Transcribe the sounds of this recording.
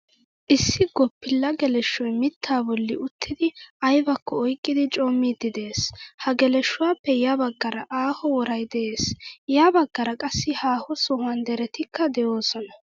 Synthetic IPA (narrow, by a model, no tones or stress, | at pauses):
ʔɪsːɪɡɔpːɪlːɐɡɛlɛʃːɔjmɪt̪ʰːaːbɔlːɪʊt̪ʰːɪd̪ɪʔɐjbɐkːɔːjkʼːɪd̪ɪt͡ʃʼoːmːid̪ːɪd̪eːshɐɡɛlɛʃːʊwaːpːɛjabɐɡːɐɾɐʔaːhɔwɔɾɐjd̪ɛʔeːsjaːbɐɡːɐɾɐkʼɐsːɪhaːhɔsɔhʊɐnd̪ɛɾɛt̪ɪkʰːɐd̪ɛjoːsɔnɐ